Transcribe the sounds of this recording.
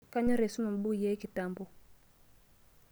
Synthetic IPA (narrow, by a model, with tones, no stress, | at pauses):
ka˦ɲɔ˦ɾe˨su˦ma˨m˨bu˦kje˦ki˨ta˨mbu˦